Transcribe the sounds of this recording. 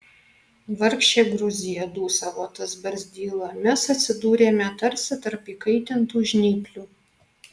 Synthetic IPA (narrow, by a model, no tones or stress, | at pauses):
ʋɐɾʲkʃʲt͡ʃʲeːɡɾʊzʲɪjɛd̪uːsɐʋot̪ɐsbɐɾʲzʲd̪ʲiːlˠɐmʲɛsɐt̪ʲsʲɪd̪uːɾʲeːmʲɛt̪ɐɾʲsʲɛt̪ɐɾpiːkɐɪt̪ʲɪnt̪uːʒʲnʲiːpʲlʲuː